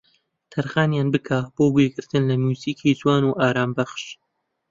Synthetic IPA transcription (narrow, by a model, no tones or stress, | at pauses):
t̪ʰɐɾɣaːnjaːnbɨkʰaboːbweːɡɨɾt̪ʰɨnlɐmjuːziːkʰizwaːnuːʔaːɾaːmbɐχʃ